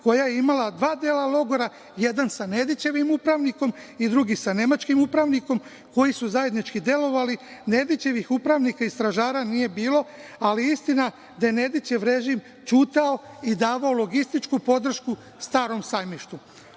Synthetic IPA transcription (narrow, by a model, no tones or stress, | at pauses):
ko̞jajeimalad̪ʋaːd̪eːlalo̞ɡo̞ɾa | je̞d̪ansane̞d̪it͡ɕeʋimupɾaʋniko̞mid̪ɾuɡisane̞mat͡ʃkimupɾaʋniko̞m | ko̞jisuzaje̞d̪nit͡ʃkid̪e̞lo̞ʋaline̞d̪it͡ɕe̞ʋixupɾaʋnikaist̪ɾaʒaːɾanije̞biːlo̞aliist̪ina | d̪ajene̞d̪it͡ɕeʋɾe̞ʒim | t͡ʃuːt̪ao̞id̪aːʋaolˠo̞ɡist̪it͡ʃkupo̞d̪r̩ʃku | st̪aːɾo̞msajmiʃt̪u